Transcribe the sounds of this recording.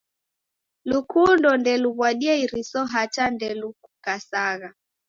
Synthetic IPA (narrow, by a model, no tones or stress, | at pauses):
lukundɔndɛluβwaɗiaiɾisɔɦat͡ʃandɛlukukasaɣa